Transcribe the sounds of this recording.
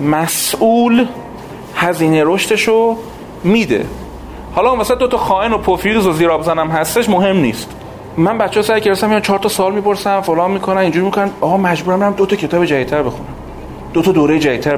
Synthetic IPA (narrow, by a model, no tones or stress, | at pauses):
mæsʔuːl | hæziːneɾoʃt̪e̞ʃo | miːd̪e̞̰ | hɒːlɒũmvæsæd̪ot̪ʰɒxɒːʔenopʰofiɣizoziːɾɒːbzænæmɦæst̪e̞ʃmoɦe̞mnḭːst̪ | mænbæt̪t͡ʃeːsæɾceɾest̪æmijɔt͡ʃʰɒːɾt̪ʰɒsɒːlmiːpʰoɾsæmfolɒːmmːiːkʰonæmiːnd͡ʒuːɾimikʰonænɒːɣɒːmæd͡ʒbuːɾæmenæmd̪ot̪ʰɒcʰe̞t̪ɒːbed͡ʒævit̪ʰːæɾbe̞xunæm | d̪ot̪ʰɒd̪oːɾejed͡ʒæit̪̚ʰːæɾ